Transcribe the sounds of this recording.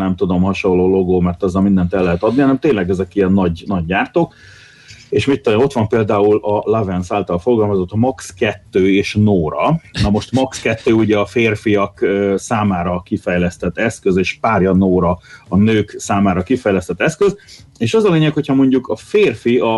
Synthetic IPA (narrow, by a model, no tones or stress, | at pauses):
nɛmt̪ud̪o̞mhɒʃo̞lːoːlo̞ɡoːmɛrt̪ɒzːɒlmind̪ɛnt̪ɛlːɛɦɛt̪ɒd̪nihɒnɛmt̪eːnlɛɡɛzɛkijɛnːɒɟnɒɟːaːrt̪oːk | eːʃmit̪ːoo̞t̪ʋɒmpeːld̪aːulɒlavɛnsaːlt̪ɒlfo̞rɡɒlmɒzot̪ːmɒkskɛt̪ːøːeːʃnoːɾɒnɒmo̞ʃt̪mɒkskɛt̪ːøːuɟɛɒfeːrfijɒkøsaːmaːɾɒkifɛjlɛst̪ɛt̪ːɛskøzeːʃpaːrjɒnoːɾɒɒnøːksaːmaːɾɒkifɛjlɛst̪ɛt̪ːɛskøzeːʃɒzɒleːɲɛkho̞cʰhɒmo̞ɲɟukʰɒfeːrfiɒ